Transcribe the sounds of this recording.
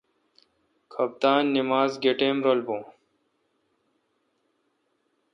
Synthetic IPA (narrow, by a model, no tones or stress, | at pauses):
kʰɐb̚t̪aːnːimaːzɡeʈeːmɾoːlbõː